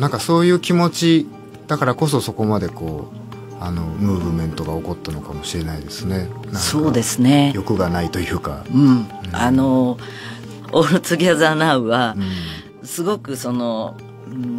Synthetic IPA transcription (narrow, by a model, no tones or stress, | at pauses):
nãŋkaso̞ːjɯ̟ːkʲimo̞t͡ɕi | d̪̥akaɾako̞so̞so̞ko̞mad̪e̞ko̞ː | ano̞mɯ̟ːβɯ̟mẽ̞nt̪o̞ɡao̞ko̞t̪ːano̞kamo̞ɕiɾe̞naid̪e̞sɨne̞nãŋsoːd̪e̞sɨne̞jo̞kɯ̟ɡanait̪o̞jɯ̟ːka̰ɯ̟̃ | a̰no | ot͡sɨɡʲiazanaɯ̟βaɯ̃ | sɨɡo̞kɯ̟so̞no̞ | ɯ̃